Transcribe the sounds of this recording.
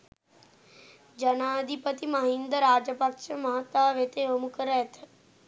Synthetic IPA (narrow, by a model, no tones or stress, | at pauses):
d͡ʒɐnaːd̪ipət̪iməɦĩnd̪əɾːaːd͡ʒəpəkʃəmãt̪aːʋet̪eɦomʊkəɾɛːt̪ʰ